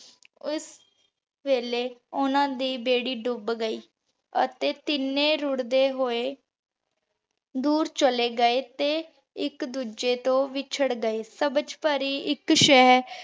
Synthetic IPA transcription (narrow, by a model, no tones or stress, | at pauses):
ʊs | ʋeːleːʊnãːd̪iːbeːɽiːɖʊbɡəiː | ə̰t̪eːt̪ɪnːẽːɾʊɽd̪eːɦoːeː | d̪uːɾt͡ʃəleːɡəeːt̪eː | ɪkd̪uːd͡ʒeːt̪õːʋiːt͡ʃʰəɽɡəeːsəbəd͡ʒpəɾiːʔɪkʃɛɦɾ